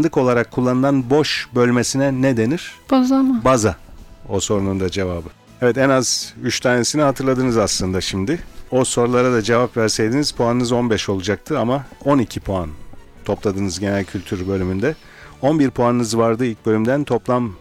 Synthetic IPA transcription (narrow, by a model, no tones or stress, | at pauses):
nd̪ɯko̞lˠaɾakʰːulˠːanɯnˠanbo̞ʃbø̞lʲmesinɛned̪e̞niɾ̥bazabazaoso̞ɾunund̪ad͡ʒe̞vaːbɯ | ɛvɛt̪ɛnazyt͡ʃt̪ʰaːne̞siniɦat̪ʰɯɾlˠad̪ɯnɯzaslˠɯnd̪aʃimd̪ɪo̞so̞ɾulˠaɾad̪ad͡ʒe̞vapvæɾsejd̪iniz̥pʰoanɯnɯzo̞nbɛʃo̞lˠud͡ʒak̚t̪ʰɯamao̞nicʰipʰoan | t̪ʰo̞plˠad̪ɯnɯzɟe̞nælʲcʰylʲt̪ʰyɾbø̞lʲymynd̪ɛ | o̞nbiɾpʰoanɯnɯzvaɾd̪ɯilʲc̚bø̞lʲymd̪ænt̪ʰo̞plˠam